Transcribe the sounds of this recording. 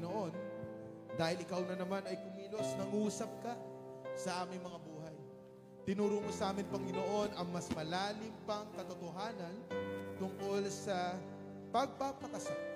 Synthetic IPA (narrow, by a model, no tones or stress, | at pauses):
noʔo̞n | d̪aːhɪlɪkawnɐnɐmanɐjkʊmiːlo̞snɐŋuːsɐp̚kɐ | sɐʔaːmɪŋmɐŋabuːɦɐj | t̪ɪnuːɾuːŋosɐʔaːmɪnpɐŋɪnoʔo̞nʔɐŋmɐsmɐlaːlɪmpɐŋkɐt̪o̞t̪oɦaːnɐnt̪ʊŋko̞lsɐ | pɐɡ̚papɐkɐsa